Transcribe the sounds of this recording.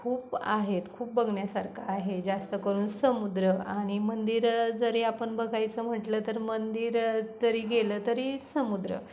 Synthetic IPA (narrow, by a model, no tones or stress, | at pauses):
kʰuːpa̰ɦet̪kʰuːp̚bəɡʱɳjasaɾkʰaːɦed͡zast̪əkəɾuːnsəmud̪ɾəaɽ̃imənd̪iɾd͡zəɾeapəɳbəɡʱajt͡səm̤əʈlət̪əɾmənd̪iːɾd͡zəɾiːɡelət̪əɾiːsəmud̪ɾə̰